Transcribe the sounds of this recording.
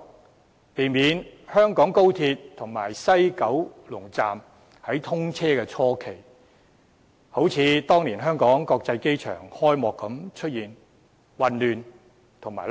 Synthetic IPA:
t̪e˨˧jmiː˨˧˥nhœː˥ŋkɔː˨˥ŋko˥wt̪ʰiː˧tt̪ʰʊ˨˩ŋma̰ː˨˩jsɐ˥jkɐ˨˥wlʊ˨˩ŋt͡sa̰ː˨m | hɐ˨˥jt̪ʰʊ˥ŋt͡sʰɛː˥kɛː˧t͡sʰɔː˥kʰe˨˩j | ho˨˥wt͡sʰiː˨˧t̪ɔː˥ŋliː˨˩nɦœː˥ŋkɔː˨˥ŋkɔː˧k̚t͡sɐ˧jke˥jt͡ʃʰœ̰ː˨˩ŋhɔː˥jmɔː˨˧kːɐ˨˥mt͡ʃʰɵ˥t̚jiː˨n | wɐ˨nlyː˨n | t̪ʰʊ˨˩ŋmaː˨˩

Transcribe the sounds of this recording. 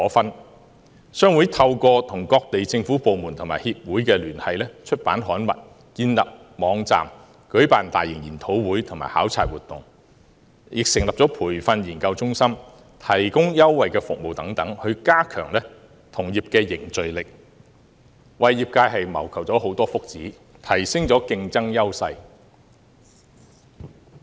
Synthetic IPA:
ɔː˨˥fɐ˥n | sœː˥ŋwu˨˥jt̪ʰɐ˧wkɔː˧t̪ʰʊ˨˩ŋkɔː˧k̚t̪e˨jt͡sɪ˧ŋfuː˨˥po˨wmu˨˩nt̪ʰʊ˨ŋma̰ː˨˩jhiː˧p̚wuː˨˥jkɛː˧lyː˨˩nhɐ˨jlɛː˥t͡ʃʰɵ˥t̚paː˨˥nɦɔː˨˥nmɐ̰˨˩t̚ | kiː˧nlɐ˨p̚ | mɔː˨˧ŋt͡sa̰ː˨m | kɵ˨˥ɥpaː˨nt̪aː˨jːɪ˨˩ŋjiː˨˩nt̪ʰo˨˥wwuː˨˥jt̪ʰʊ˨˩ŋma̰ː˨˩jhaː˨˥wt͡sʰa̰ː˧t̚wuː˨˩t̪ʊ˨˩ŋ | jɪ˨k̚sɪ˨˩ŋlɐ˨p̚t͡sɔː˨˥pʰuː˨˩jfɐ˧njiː˨˩nkɐ˧wt͡sʊ˥ŋsɐ˥m | t̪ʰɐ˨˩jkʊ˥ŋjɐ˥wːɐ˨jkɛː˧fʊ˨k̚mo˨wt̪ɐ˨˥ŋt̪ɐ˨˥ŋhɵ˧ɥkaː˥kʰœ̰ː˨˩ŋlɛ˥ | t̪ʰʊ˨˩ŋjiː˨p̚kɛː˧jɪ˨˩ŋt͡sɵ˨ɥlɪ˨k̚ | wɐ˨jːiː˨p̚kaː˧jhɐ˨jmɐ˨˩wkʰɐ˨˩w̚t͡sɔː˨˥ho˨˥wt̪ɔː˥fʊ˥k̚t͡siː˨˥ | t̪ʰɐ˨˩jsɪ˥ŋt͡sɔː˨˥kɪ˧ŋt͡sɐ˥ŋjɐ˥wsɐ˧j

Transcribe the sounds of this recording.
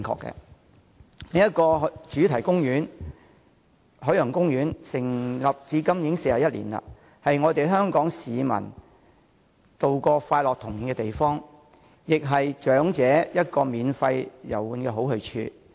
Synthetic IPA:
ŋkʰɔ̰ː˧kːɛ̰˧ | niː˥jɐ˥t̚kɔː˧ɦt͡ʃyː˨˥t̪ʰɐ˨˩jkʊ˥ŋjyː˨˥n | ɦɵ˨˥jɵ˨˩ŋkʊ˥ŋjyː˨˥nsɪ˨˩ŋlɐ˨p̚t͡siː˨˥kɐ˥mjɪ˨˥ŋse˧jaː˨˩jɐ˥t̚lḭː˨˩nlɐ̰˧ | hɐ˨jŋɔː˨˧t̪e˨jɦœː˥ŋkɔː˨˥ŋsiː˨˧mɐ̰˨˩n | t̪o˨˧wkɔː˧faː˧t̚lɔː˨k̚t̪ʰʊ˨˩ŋji˨nkɛ˧t̪e˨jfɔː˥ŋ | jɪ˨k̚ɦɐ˨jt͡ʃœː˨˥ŋt͡sɛː˨˥jɐ˥t̚kɔː˧miː˨˧nfɐ˧jjɐ˨˩wuː˨˧nkɛː˧ɦo˨˥whɵ˨˧t͡ʃʰy̰ː˧

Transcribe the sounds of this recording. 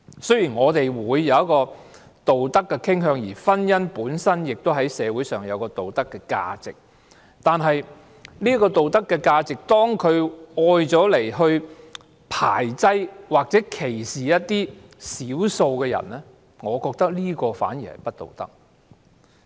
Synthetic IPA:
sɵ˥ɥjiː˨˩nŋɔː˨˧t̪e˨jwuː˨˧jːɐ˨˧wjɐ˥kːɔː˧ | t̪o˨wt̪ɐ˥kːɛ˧kʰɪ˥ŋɦœː˧ŋjiː˨˩fɐ˥njɐ˥npuː˨˥nsɐ˥njɪ˨k̚t̪o˥wɦɐ˨˥jsɛː˨˧wu˨˥jsœː˨˩ŋjɐ˨˧wkɔː˧t̪o˨wt̪ɐ˥kːɛː˧ka̰ː˧t͡sɪ˨k̚ | t̪aː˨nɦɐ˨j | niː˥kɔː˧t̪o˨wt̪ɐ˥kːɛ˧kaː˧t͡sɪ˨k̚t̪ɔː˥ŋkʰɵ˨˧ɥɔː˧jt͡sɔː˨˥le˨˩jɦɵ˧ɥ | pʰa̰ː˨˩jt͡sɐ˥jwaː˨k̚t͡sɛː˨˦˥kʰe˨˩jsiː˨jɐ˥t̚t̪iː˥ | siː˨˥wso˧wkɛː˧jɐ̰˨˩nlɛ˥ | ŋɔː˨˧kɔː˧k̚t̪ɐ˥k̚liː˥kɔː˧fa̰ː˨˥nji˨˩hɐ̰˨jpɐ˥t̚t̪o̰˨wt̪ɐ̰˥k̚

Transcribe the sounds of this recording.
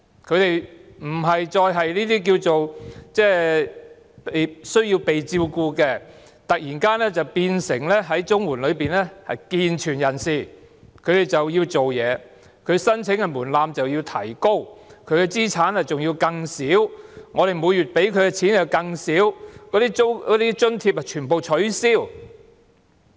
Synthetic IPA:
kʰɵ˨˧ɥt̪e˨jm̩˨˩ɦɐ˨jt͡sɔː˧jɦɐ˨jliː˥t̪iː˥k̬iː˧wt͡so˨wt͡sɛː˥˩ | pe˨jsɵ˥ɥji˧wpe˨jt͡siː˧wkuː˧kɛ˧ | t̪ɐ˨k̚jiː˨˩nkaː˥nlɛː˥t͡sɐ˨wpiː˧nsɪ˨˩ŋlɛː˥ɦɐ˨˥jt͡sʊ˥ŋwuː˨˩nlɵ˨˧ɥpiː˨nɛː˥hɐ˨jkiː˧nt͡ʃʰyː˨˩njɐ˨˩nsiː˨˩ | kʰɵ˨˧ɥt̪e˨jt͡sɐ˨wjiː˧wt͡so˨wjɛː˨˧ | kʰɵ˨˧ɥsɐ˥nt͡sʰɪ˨˥ŋkɛ˧muː˨˩nlaː˧mt͡sɐ˨wji˧wt̪ʰɐ̰˨˩jko˥wkʰɵ˨˧ɥkɛ˧t͡siː˥t͡sʰaː˨˥nhɐ˨jt͡sʊ˨ŋjiː˧wkɐ˧ŋsiː˨˥wŋɔː˨˧ɾe˨˩jmuː˨˧jyː˨t̚pe˨˥jkʰɵ˨˧ɥkɛ˧t͡sʰiː˨˥njɐ˨˧wkɐ˧ŋsiː˨˥wkɔː˨˥t̪iː˥o˥ɔ˨˥t̪iː˥t͡ʃɵ˥nt̪ʰiː˧p̚hɐ˨jt͡ʃʰyː˨˩npo˨wt͡ʃʰɵ˨˥ɥsiː˥˩w

